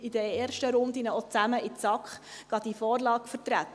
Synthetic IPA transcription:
ɪd̪əeːɾʃtəɾʊnd̪inəɔt͡sæməʔɪt͡sɑkχɡ̥ɑd̪ifɔːɾlɑːɡfəɾt̪ɾæt̪

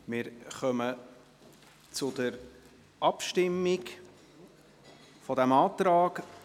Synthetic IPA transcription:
mɪɾχœmə | t͡sʊd̥əɾ | ʔɑpʃtɪmːɪɡ | fɔd̪æmɑːt̪ɾɑːɡ

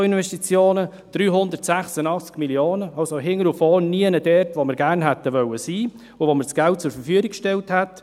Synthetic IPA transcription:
inʋɛstit͡sjoːnə | d̥ryːɦʊndərtsæχsənɑχt͡skmiljoːnəɑlsoɦɪŋəɾufɔːniənədɛrtʋoməɾɡæːɾnɦætəʋœwəsiː | ʊvoməɾsɡ̥ælt̚t͡sʊɾfəɾfyəɡɪkʃtɛlthæt

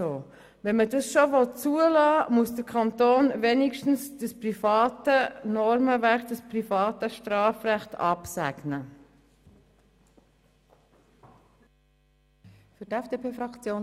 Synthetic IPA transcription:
oː | vɛnmədɑsʃovɔt͡suəlɑːmuəsdəɾkʰɑnt̪oːnvenɪkʃtn̩sd̥əsprifɑːtənɔɾməvækd̥əsprifɑːtəʃtɾɑːfrɛχtɑ̰psæ̰ɡ̥nə | fytɛfd̥eːpʰeːfɾɑkt͡sjoː

